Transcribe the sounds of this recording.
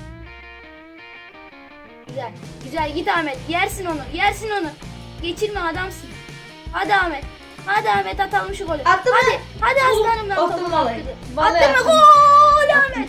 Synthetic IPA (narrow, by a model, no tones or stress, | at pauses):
ɟyzælʲɟyzælʲɟit̪aːmɛt̪jæɾsino̞nujæɾsino̞nuɟe̞t͡ʃʰiɾmiad̪amsɯn | had̪amɛt̪ | had̪aːmɛt̪at̪alˠmɯʃukolʲuihad̪iazɯmanɯmd̪aalaɯd̪ɯaːɯmaɡolʲamɛt̪